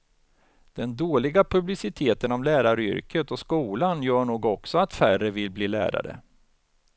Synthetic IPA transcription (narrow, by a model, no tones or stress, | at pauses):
d̪̥ɛnd̪oːlɪɡapʰɵblɪsɪt̪ʰeːt̪ənɔmlæːɾaɾʏ̰ɾkət̪ɔskuːlanjœːɳuːɡɔksɔat̪færəvɪlbliːlæ̰ːɾa̰ɾə̰